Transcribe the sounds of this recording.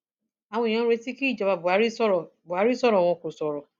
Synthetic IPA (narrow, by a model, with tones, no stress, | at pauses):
a˨w̃ɔ̃˧ĩ˨ã˦ɾe˧si˦ki˦i˦˨d͡ʒa˨ba˨bu˨a˨˦ɾi˦sɔ˦ɾɔ˨bu˨a˨˦ɾi˦sɔ˦˨ɾɔ˨w̃ɔ̃˧ko˨sɔ˨ɾɔ˨